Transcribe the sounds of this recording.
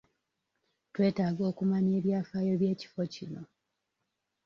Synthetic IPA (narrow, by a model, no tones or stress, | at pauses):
twe̞ːtaːɡo̞ːkumaɲeːβjaːfajo̞βje̞ːci̥fo̞cino̞